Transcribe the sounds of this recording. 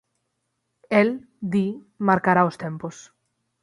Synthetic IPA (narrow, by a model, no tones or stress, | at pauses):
ɛl | d̪i | maɾkaɾaost̪empʊs